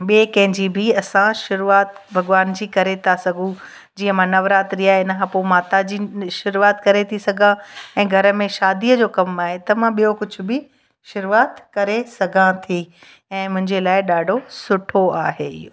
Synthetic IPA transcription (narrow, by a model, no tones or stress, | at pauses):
ɓiekɐ̃ɦɪ̃ɲd͡ʑibʱɪɐsãʃʊɾuaːt̪bʱɐɠʋaːnd͡ʑiːkɐɾet̪ʰasɐɡʱũ | d͡ʑiːə̃mãnɐʋɾaːt̪ɾiaːɦeɪnəkʰãpoːmaːt̪ad͡ʑiːʃʊɾuaːt̪kɐɾet̪ʰisɐɡʱãɛ̃ːɡʱɐɾə̆mẽʃaːd̪iːəd͡ʑoːkɐmaːɦet̪ɐmãɓijokʊd͡ʑʱʊ̆bʱɪ | ʃʊɾuaːt̪kɐɾesɐɡʱãt̪ʰi | ɛ̃ːmʊ̃ɦɪ̃ɲd͡ʑelaːɪɗaːɖʱosʊʈʰoaːɦeɪ̰joː